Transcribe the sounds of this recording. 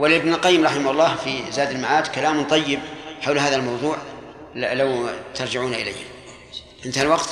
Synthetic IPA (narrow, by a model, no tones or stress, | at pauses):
wɪlɪbnɪlqɑjːɪmɾˤɑħɪmahʊlˤːɑːhfizaːd̪ɪlmaʕaːd̪kalaːmʊnt̪ˤɑjːɪbħawlɦaːðalmɑwðˤuːʕ | lawt̪ɑɾˤd͡ʒɪʕuːnaʔɪla̰jhɪm | ʔɪnt̪halwɑqt̪